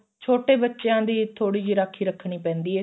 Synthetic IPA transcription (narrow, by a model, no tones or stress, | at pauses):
t͡ʃʰoːʈeːbətːʃejãːd̪iːt̪ʰoːɽiːd͡ʒiːɾaːkʰːiːɾəkʰɳiːpɛ̃ːnd̪iːɛː